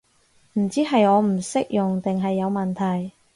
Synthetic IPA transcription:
m̩˨˩t͡siː˥ɦɐ˨jɔː˨˧m̩˨˩sɪ˥k̚jʊ˨ŋt̪ɪ˨ŋɦɐ˨jːɐ˨˧wmɐ˨nt̪ʰɐ˨˩j

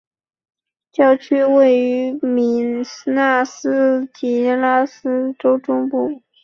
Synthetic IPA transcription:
t͡ɕjɑ˥˩ʊt͡ɕʰy˥we˥˩ɪy˧˥mi˧˥nsna˥˩sɹ̩˥t͡ɕi˧˥la˥sɹ̩˥ʈ͡ʂo˥ʊʈ͡ʂʊ˥ŋpu˥˩

